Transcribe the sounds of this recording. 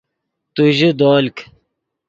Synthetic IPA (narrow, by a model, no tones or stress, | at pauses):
t̪uʑid̪oːlk